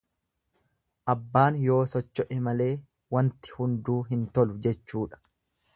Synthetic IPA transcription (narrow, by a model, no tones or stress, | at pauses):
ʔɐbːaːnjo̞ːsɔt͡ʃːɔʔɪmɐle̞ː | wɐnt̪ɪ̥hʊnd̪uːɦɪnt̪ɔlʊd͡ʒɛt͡ʃːuːᶑɐ̥